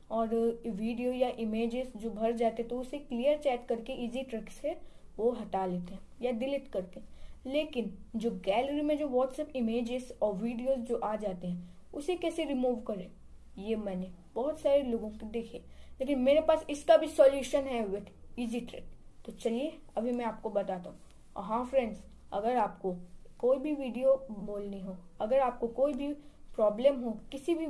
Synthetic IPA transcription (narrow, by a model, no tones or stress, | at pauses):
ɔːɾʋiːɖijojaʔɪmeːd͡ʒɪzd͡ʒoːbʱɐɾd͡ʒaːt̪eɦɛ̃t̪oʊseklijəɾt͡ʃɛːʈkɐɾkeʔiːziʈɾɛkseʋoɦɐt̪aleːt̪eɦɛ̃jadɪlɪʈkɐɾt̪eɦɛ̃leːkɪnd͡ʒoːɡɛːləɾimẽd͡ʒoːʋɔːʈsɛːpɪmeːd͡ʒɪsɔːɾʋiːɖijoːzd͡ʒoːʔaːd͡ʒaːt̪eɦɛ̃ʊsekɛːseɾɪmuːʋkɐɾeː | jeːmɛ̃ːne | b̥ɔɦʊt̪saːɾeloːɡõkid̪eːkʰeːleːk̬ɪnmeːɾepaːsɪskabʱisɔːljuːʃənɦɛʋɪʈiːziʈɾḛʈ̚t̪ot͡ʃɐlie | ɐbʱimɛ̃aːp̚kobɐt̪aːt̪aɦũ | ɔ̰ɾɦãːfɾɛ̃ɳɖs | ɐ̰ɡəɾaːpkokoːibʱiʋiːɖijoboːlniɦoːɐɡəɾaːp̚kokoːibʱipɾɔːblemɦokɪsibʱi